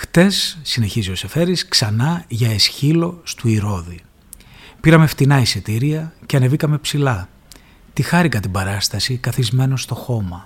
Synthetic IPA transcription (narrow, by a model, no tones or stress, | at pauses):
xt̪e̞sːine̞çizio̞se̞fe̞ɾisksɐnɐʝɐesçilo̞st̪uiɾo̞ði | piɾɐme̞ft̪inɐisit̪iɾiɐceɐne̞vikɐme̞psilɐ | t̪ixɐɾikɐt̪ibɐɾɐst̪ɐsikɐθizme̞no̞st̪o̞xo̞mɐ